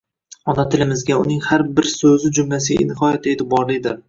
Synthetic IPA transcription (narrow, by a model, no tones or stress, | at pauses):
ɒnat̪ʰɪlɪmɪzɡʲaʊnɪŋhaɾbɪɾsɵzɪd͡ʒʊmlas̬ɪa̰nɪhɒjat̪ʰet̪ɪbɒɾlɪd̪ɪɾ